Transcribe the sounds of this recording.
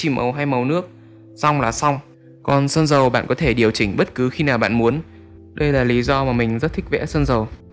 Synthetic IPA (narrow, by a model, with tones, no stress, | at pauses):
t͡ɕi˨˩mʔə̰˨˩wɦa˧jmə˨˩wnɨ˦˥ək̚ | sa˧wŋ͡mlaː˨˩sa˧wŋ͡m | kɔ˨˩nsəː˧nzə˨˩wɓa̰ː˧˨nkɔ˨˦t̪ʰe˧˩ɗi˨˩əwt͡ɕï˧˩ŋ̟ɓə˦˥t̚kɨ˨˦xi˧naː˨˩wɓa̰ː˧˨nmu˨˦ən | ɗə˧jlaː˨˩li˨˦zɔ˧maː˨˩mï˨˩ŋ̟zə˦˥t̚t̪ʰï˦˥k̚vɛ̰˧˥səː˧nzə˨˩w